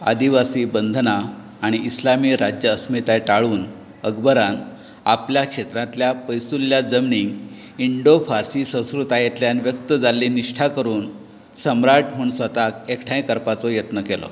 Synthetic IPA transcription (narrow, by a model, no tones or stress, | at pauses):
a̰d̪iʋasiːbənd̪ʱnaː | ɽ̃iːslamiːɾad͡ʑjəːsmit̪ajʈaɭuːn | əɡbəɾan | apljakʂet̪ɾãt̪ljapəjsulːjad͡zəmniŋɡ | iɳɖofaɾsiːsə̃w̃skɾut̪ajet̪ljanʋjək̚t̪əd͡zalːiːniʂʈʰakəɾuːn | səmɾaʈʰmoɳsʋət̪akekʈʰãjkəɾpat͡sɔjət̪nəkelɔ̰